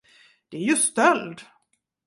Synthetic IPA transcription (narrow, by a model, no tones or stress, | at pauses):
d̪̥ɛæɾjɵst̪œld̪